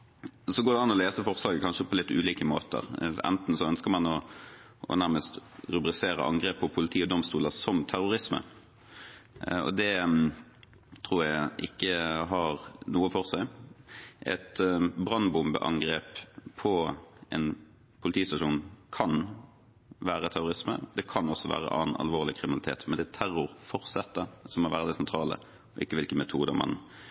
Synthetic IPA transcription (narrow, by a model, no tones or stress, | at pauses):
sɔɡoːd̪ɛɑnːɔleːsəfɔʁslɑːkəkʰɑnʂəpʰɔlɪt̪ːʉ̰ːliːkəmo̰ːt̪ə̰ʁɛ̰nt̪n̩sɔœnskəʁmɑnɔ | ʔɔ̰næʁməst̪ʁʉbʁɪseːɾə̰ʔɑ̰ŋɡʁeːpʰːɔpʰʊlɪt̪ʰiːɔd̪ɔmst̪uːləsɔmt̪ʰæʁʊʁɪsmə̰ | ɔ̰d̪ɛ | t̪ʰʁuːʁjæɪʔɪ̰kːəɦɑʁnuːəfɔʁsæɪ | ʔɛ̰t̪bʁɑnbʊmbə̰ʔɑ̰ŋɡʁeːppʰɔɛn | pʰʊlɪt̪ʰiːst̪ɑʂuːnkʰɑn | ʋæːɾət̪ʰæʁʊʁɪsmə̰d̪ɛkʰɑnɔsːɔʋæ̰ːʁə̰ʔɑ̰ːnɑ̰lʋoːʁlɪkʰɾɪmɪnɑlɪt̪ʰḛːt̪mɛnd̪ɛt̪ʰæɾʊɾfɔʁsɛt̪ːəsɔmɔʋæːʁəd̪ɛsɛnt̪ʰɾɑːlə̰ | ɔʔɪkːəʋɪlkəmɛt̪ʰuːd̪ə̰mɑ̰n